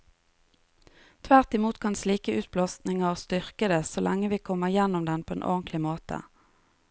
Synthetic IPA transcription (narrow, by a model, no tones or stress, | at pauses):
t̪ʰʋæʁt̪ɪmuːt̪kʰɑnsliːkəʉːt̪̚bloːsnɪŋəst̪ʏʁkəd̪esolʔɛŋəʋiːkʰɔməjɛnʊmd̪ɛnpʰoːḛːnʔɔ̰ʁnt̪lɪmoːt̪ə̰